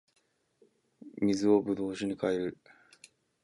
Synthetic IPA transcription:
mʲizɨo̞bɯ̟d̪o̞ːɕiɲ̟ikaeɾɯ

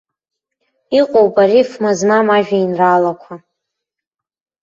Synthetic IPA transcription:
iqʷʼowpʼaɾifmaznamaʒᶣainralakʷʰa

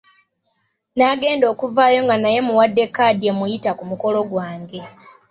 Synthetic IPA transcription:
naɡe̞ːndo̞ːkuvaːjo̞ŋɡanaje̞muwadːe̞kːadjemujitakumuko̞lo̞ɡwaːŋɡe̞

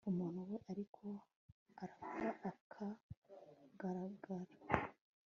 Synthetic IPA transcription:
umuːn̥huwe̞ʔaɾikʰo̞ | aɾakoɾaʔakʰa | ɡaɾaɡaɾa

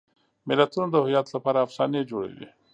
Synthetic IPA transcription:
mɪlat̪unod̪əhʊjɑt̪lapɑɾaːfsɑned͡ʒoɽḛwḭ

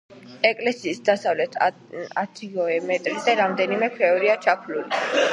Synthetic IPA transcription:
ɛkʼlɛsiːsd̪asavlɛt̪ʰ | at̪ʰiɔɛmɛt̪ʼɾizɛɾamd̪ɛnimɛkʰɾɛɔɾiat͡ʃʰapʰluli

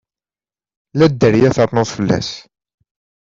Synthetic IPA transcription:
læd̪ːəɾjæθəɾˤnʊðˤfəlːæ̰s

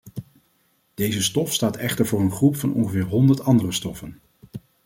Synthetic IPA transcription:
d̥ejzəstɔfstaːtɛχtəɹvʊːɹənχrupfɑnʔɔ̰ŋχəvɪːɹɦɔndəɹtɑndərəstɔfən

